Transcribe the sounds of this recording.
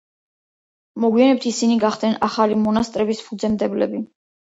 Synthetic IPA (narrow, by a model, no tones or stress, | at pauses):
mɔɡwianɛp̚t̪ʰisiniɡaχd̪nɛnaχalimɔnast̪ʼɾɛbispud̪zɛmd̪ɛblɛ̰bi